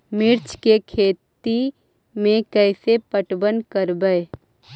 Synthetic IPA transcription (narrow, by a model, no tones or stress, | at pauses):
mɪɾt͡ʃkekʰeːt̪i | mẽkɛɪsepəʈbənkəɾbəe